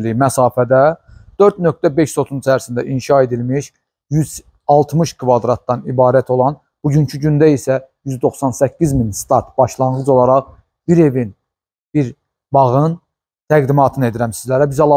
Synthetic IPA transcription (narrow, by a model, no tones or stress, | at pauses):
lijmæsɑːfæd̪æd̪̥øɾd̪nøk̚t̪æbe̞ʃso̞t̪ʰunt͡ʃʰæɾsind̪æʔinʃɑe̞d̪ilmiʃ | jyz̥ | ɑlˠt̪ʰmɯʃkʰvɑd̪ɾɑt̪̚d̪ɑnibɑːɾæt̪ʰo̞lˠɑn | b̥uɟyɲcʰyɟynd̪æisæjyzd̪o̞χsɑnsæcːizminst̪ɑɾt̪b̥ɑʃlˠɑnʁɯd͡ʒo̞lˠɑɾɑʁ | b̥iɾe̞vin | b̥iɾ | bɑɣɯn | t̪ʰæɡd̪imɑːt̪ʰɯne̞d̪iɾæmsizlæɾæbizɑlˠɑ